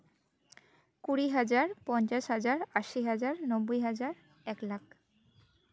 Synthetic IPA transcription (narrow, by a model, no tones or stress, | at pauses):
kuɾiɦad͡ʑaɾpɔnt͡ɕaʃɦad͡ʑaɾaʃiɦad͡ʑaɾnobːojɦad͡ʑaɾ | ɛklak̚ʰ